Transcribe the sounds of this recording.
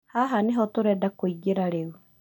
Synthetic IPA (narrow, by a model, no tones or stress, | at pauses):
haɦaneɦɔtoɾɛdakoiɡeɾaɾeɣu